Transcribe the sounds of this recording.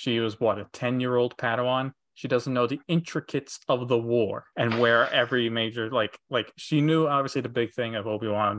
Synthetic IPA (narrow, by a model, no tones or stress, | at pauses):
ʃiwʌzwʌɾɨtʰɛ̃njɪɹoʊlˠd̚pʰæɾəɑ̃n | ʃidʌz̃n̩noʊðiɪ̃nt͡ʃɹ̥ɨkʰɨtsʌvðəwɔɹɨ̃nwə˞ɛvɹimeɪd͡ʒə˞laɪklaɪkʃinjuɑbviəsliðɨbɪɡ̥̚θɪ̃ŋʌvoʊbiwɑ̃n